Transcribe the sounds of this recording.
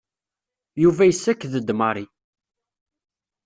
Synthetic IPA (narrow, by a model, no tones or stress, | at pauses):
juvæjəsːækːðəd̪məɾˤi